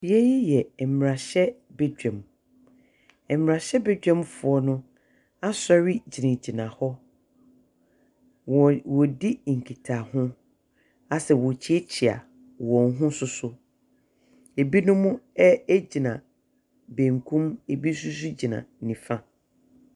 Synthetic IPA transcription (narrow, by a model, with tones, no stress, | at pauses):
bi˨ɛ˦ji˦jɛ˨m˨ɾa˨ɕɛ˦bɛ˦d͡ʑᶣɛ̃˨m | ɛ˨mmː˨ɾa˨ɕɛ˦bɛ˦d͡ʑᶣɛ̃˦mfʊ˨ɔ˦nʊ̃˦ | a˦sɔ˦ɥi˦d͡ʑi˨nɪ̃˨d͡ʑi˨nã˨hɔ˦˨ | wɔ˨di˦˨ŋ̩˨kʰi˨tʰa˨hʊ̃˦ | a˨sɛ˨wɔ˨t͡ɕʰi˦e˦t͡ɕʰi˨a̰˨ | wɔ̃˨n˦ɦʊ̃˦sʊ˦sʊ˦ | e˨bi˦nʊ̃˦mʊ̃˦ɛ˦e˦d͡ʑi˨nã˨ | bẽ˨ŋ˨kʰũ˦me˨bi˦s̬u˦s̬u˦d͡ʑi˨nã̰˨nĩ˨fã˦